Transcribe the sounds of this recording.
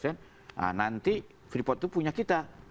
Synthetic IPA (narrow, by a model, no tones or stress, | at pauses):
sɛn | a̰nant̪i | fɾipɔt̪̚ːupuɲakit̪a